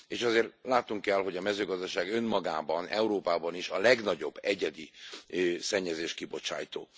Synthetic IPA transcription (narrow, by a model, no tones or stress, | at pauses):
eːʃɒzeːrt̪laːt̪nuŋkːɛlɦo̞ɟɒmɛzøːɡɒzd̪ɒʃaːɡø̞nmɒɡaːbɒnɛ̰uɾoːpaːbɒniʃɒlɛɡnɒɟo̞bːɛɟɛd̪i | sɛɲːɛzeːʃkibo̞t͡ʃa̰ːjt̪o̰ː